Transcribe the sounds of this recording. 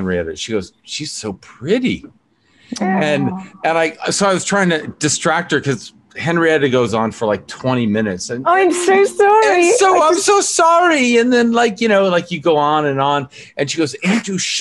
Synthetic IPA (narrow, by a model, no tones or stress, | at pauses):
nɹḭɛ̰ɾɨ̰ʃiɡoʊz̥ʃiz̥soʊpʰɹ̥ɪɾḭ | ɨ̃nɨ̃naɪsoʊaɪwʌztʰɹ̥aɪɪ̃ŋtʰɨd̥ɨstɹ̥æk̚t̚hə˞kʰʌz̥ | hɛ̃nɹiɛɾɨɡoʊzn̩fə˞laɪk̚tʰw̥ɛ̃ɾ̃imɪ̃nɨtsɨ̃naɪmsoʊsɑɹisoʊãɪ̃msoʊsɑɹiɨ̃nðɨ̃nlaɪkjɨnoʊlaɪkjɨɡoʊə̃nɨ̃nə̃n | ʔɨ̃nʃiɡoʊzẽɪ̃tɨʃ